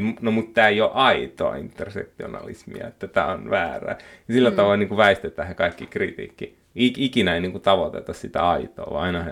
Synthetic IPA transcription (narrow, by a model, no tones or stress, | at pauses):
nomut̪t̪æːijoʔɑit̪o̰ɑ̰int̪ːersḛk̚t̪io̰nɑ̰lḭsmḭɑ̰et̪ːæt̪æ̰ːonʋæːræ̰ːjɑsilːæt̪ɑʋɑiniːŋkuʋæist̪et̪ˑæhɑkɑikːikrit̪ḭːkːi | ikikinæeiniːŋkut̪ɑʋot̪ḛt̪ɑssit̪æ̰ɑit̪o̰ːʋɑ̰ɑinɑhɑ